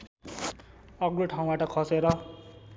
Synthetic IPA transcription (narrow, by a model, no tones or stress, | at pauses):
ʌɡɾoʈʰaũbaʈʌkʰʌseɾʌ